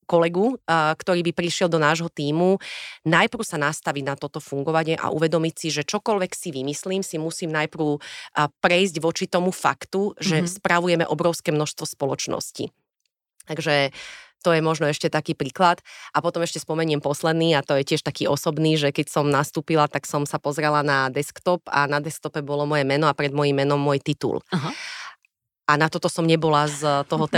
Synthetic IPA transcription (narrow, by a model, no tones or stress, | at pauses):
kɔlɛɡukt̪ɔɾiːbipɾiʃɪɛlˠd̪ɔnaːʒɦɔt̪iːmunajpɾ̩ʊsanast̪aʋiɟnat̪ɔt̪ɔfuŋɡɔʋaɲɪɛʔa̰ʔuʋɛd̪ɔmicsiʒɛt͡ʃɔkɔlʋɛksiʋimisliːmsimusiːmnajpɾʊpɾɛjzɟʋɔt͡ʃit̪ɔmufa̰kt̪uʒɛspɾaʋujɛmɛ̰ʔɔbɾɔʊskɛːmnɔʃst̪ʋɔspɔlɔt͡ʃnɔ̰scḭ | t̪aɡʒɛt̪ɔjɛmɔʒnɔɛʃcɛt̪akiːpɾiːklat̪ʔapɔt̪ɔmɛʃcɛspɔmɛɲɪɛmpɔslɛd̪niːat̪ɔjɛcɪɛʃt̪akiːɔsɔbniːʒɛkɛcsɔmnast̪uːpilat̪aksɔmsapɔzɾɛlanad̪ɛskt̪ɔpa̰nad̪ɛsk̚t̪ɔpɛbɔlɔmɔjɛmɛnɔapɾɛd̪mɔjimːɛnɔmːʊɔjt̪it̪ṵl | ʔanat̪ɔt̪ɔsɔmɲɛbɔlazt̪ɔɦɔt̪ɛ